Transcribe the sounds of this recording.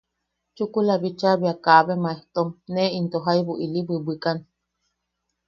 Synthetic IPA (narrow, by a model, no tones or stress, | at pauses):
t͡ʃukulabit͡ʃabiakaβemaeht̪omneint̪oɦaibuʔilibɨbɨkan